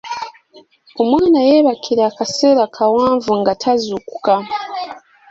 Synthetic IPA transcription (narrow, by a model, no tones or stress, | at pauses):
omwaːnajeβakʰiɾaːkaseːɾakʰawaːɱvuŋɡatʰazuku̥ka